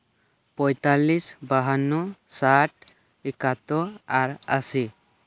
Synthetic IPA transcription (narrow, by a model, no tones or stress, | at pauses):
pɔjt̪alːisbaɦanːɔsaʈ̚ | ekat̪ɔaɾa̰si